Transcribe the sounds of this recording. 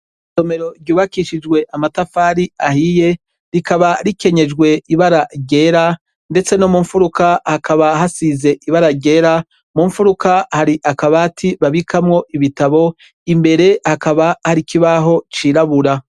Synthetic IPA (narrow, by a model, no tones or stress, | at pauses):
tome̞ɾo̞ɾɟuːβakiʃid͡ʒɡwe̞ʔamatafaːɾiahije̞ | ɾikaβaɾike̞ɲe̞d͡ʒɡwe̞iβaɾaɾɟe̞ːɾa | nde̞t͡se̞nomuɱfuɾukahakaβaɦasize̞ʔiβaɾaɟe̞ːɾa | muːɱfuɾukahaɾiʔakaβaːtʰiβaβikʰamŋo̞ʔiβitaβo̞ | imbe̞ɾe̞hakaβahaɾikiβaɦo̞t͡ʃiːɾaβuɾa